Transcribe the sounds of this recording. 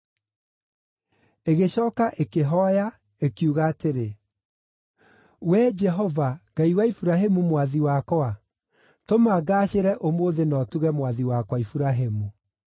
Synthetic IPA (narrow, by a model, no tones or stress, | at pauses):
eɣeɕɔːkaʔekeɦɔja | ekiuɣaːteɾe | wɛd͡ʒɛɦɔvaɡaiwaifuɾaɦemumwaðiwakɔa | tomaɡaːɕeɾɛʔomoːðenɔtuɣɛmwaðiwakwaifuɾaɦemu